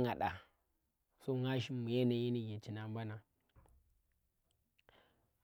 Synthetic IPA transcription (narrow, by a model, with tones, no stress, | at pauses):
ŋa˨ɗa˨ | so˦ŋa˦ʃ̬i˦mmːu˨je˦na˨ji˦ni˦ɡe˨t͡ʃi˨na˨m˦ba˦na˨